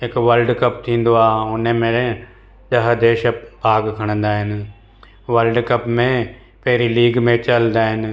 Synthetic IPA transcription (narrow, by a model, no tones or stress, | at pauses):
ɦɪkʋəlɖkɐp̚t̪ʰĩːn̆d̪oaːɦʊnəmẽ | ɗɐɦəd̪eːʃəbʱaːɡkʰɐɽ̃ə̃nd̪aːɦɪnɪ̆ | ʋɐlɖkɐpmẽ | pɐɦɪɾiliːɡmẽt͡ɕɐlnd̪aːɦɪnɪ̆